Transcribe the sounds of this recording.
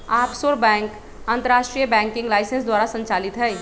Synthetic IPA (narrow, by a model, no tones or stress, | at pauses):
apsoɾbɛ̃ŋk | ənt̪əɾasʈɾijəbɛ̃ŋkĩŋɡlajsensd̪waɾasə̃nt͡ʃalit̪ɦəj